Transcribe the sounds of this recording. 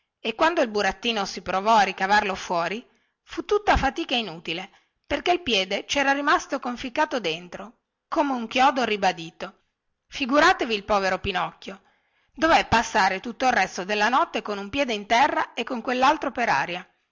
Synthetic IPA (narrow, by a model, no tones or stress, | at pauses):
ekwand̪oilbuɾat̪ːiːnosipɾovɔarikavarlofwɔːɾi | fut̪ːut̪ːafat̪iːkainuːt̪ile | perkeilpjɛːd̪et͡ʃɛːɾaɾimast̪okoɱfikːaːt̪od̪ent̪ɾo | koːmeuŋkjɔːd̪oribad̪iːt̪o | fiɡuɾaːt̪eviːlpɔːveɾopinɔkːjo | d̪ovɛpːasːaːɾet̪ut̪ːoirːɛst̪od̪elːanɔt̪ːekonumpjɛːd̪eint̪ɛrːaekːoŋkwelːalt̪ɾopeɾa̰ːɾja